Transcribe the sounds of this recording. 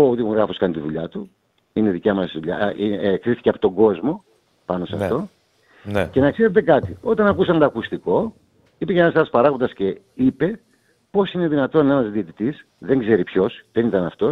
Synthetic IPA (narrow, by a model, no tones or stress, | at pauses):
oot̪imuɣɾɣɐfoskɐnt̪iðuʎɐt̪u | ine̞ðicɐmɐsðuʎɐ̰ikɾiθiceɐpo̥t̪o̞ŋɡo̞zmo̞ | pɐno̞sɐ̰ft̪o̞ | nce̞nɐkseɾet̪e̞kɐt̪io̞t̪ɐnɐkusɐnd̪ɐːkust̪iko̞ | ipeçeenɐsɐlospɐɾɐɣond̪ɐsce̞ | ipe̞ | po̞sine̞ðinɐt̪o̞nenɐzðiet̪it̪is | ðe̞ŋɡze̞ɾipço̞sðe̞nit̪ɐnɐft̪o̞